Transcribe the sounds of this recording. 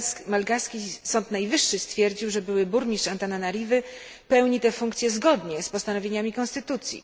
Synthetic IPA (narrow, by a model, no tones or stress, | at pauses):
malɡaskʲisɔnt̪najvɘʂːɘst̪fʲjɛɾd͡ʑiwʐɛbɘwɘbuɾmʲiʂt͡ʂant̪ananaɾʲivɘ | pɛwɲit̪ɛfuŋkt̪sʲjɛzɡɔd̪ɲɛspɔst̪anɔvʲjeɲamʲikɔnst̪ɘt̪ut̪sʲjḭ